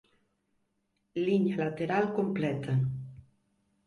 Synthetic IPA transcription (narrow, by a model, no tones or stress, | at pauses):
liɲalat̪eɾalkomplɛt̪ʰə